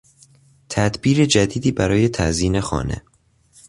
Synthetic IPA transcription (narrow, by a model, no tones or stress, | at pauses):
t̪ʰæd̪biːɾed͡ʒæd̪iːd̪iːbæɾɒːje̞t̪ʰæ̰ziːnexɒ̰ːne̞̰